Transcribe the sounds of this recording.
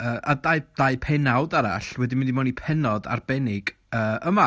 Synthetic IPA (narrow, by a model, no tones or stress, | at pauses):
əːʔadajd̥aɨpʰɛnawdaɾa̰ɬwɛdɪmɪndimanipʰɛnɔda̰rb̥ɛnɪɡ̥ | əːʔəma